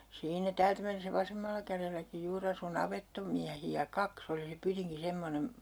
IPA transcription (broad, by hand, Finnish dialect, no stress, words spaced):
siːnæ tæːltæ menːesæ ʋɑsemːɑlːɑ kærelːæki juːr ɑsu nɑʋetːomiæhiæ kɑks oli se pytiŋki semːonem